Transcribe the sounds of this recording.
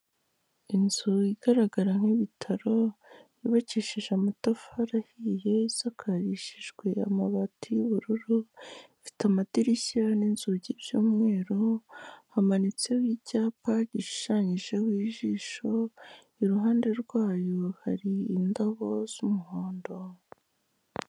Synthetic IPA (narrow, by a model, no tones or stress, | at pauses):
inzuiɡ̥aɾaɡaɾaŋ̥iβitʰaɾo̞ | iβaciʃiʒeamatafaɾahije̞iz̥akʰaɾiʃiʒɡwe̞a̰maβatijuβuɾuɾu | fi̥tamadiɾisianinzuɟiβjuːmŋe̞ːɾohamanit͡sewicaːpaɟiʃi̥ʃaɲiʒe̞wiːʒiːʃo̞ | iɾuɦaːnde̞ɾɡwaːjohaɾiːndaβo̞z̥umuhoːndo̞